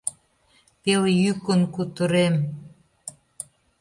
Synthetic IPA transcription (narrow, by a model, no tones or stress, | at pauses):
peljykənkut̪əɾem